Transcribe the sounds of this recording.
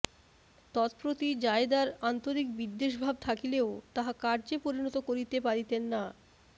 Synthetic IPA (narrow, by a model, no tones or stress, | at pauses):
t̪ɔt̪pɾot̪id͡ʑaed̪aɾant̪oɾik̚bid̪ːeʃbʱab̚t̪ʰakileot̪aɦakaɾd͡ʑepoɾinɔt̪okoɾit̪epaɾit̪enːa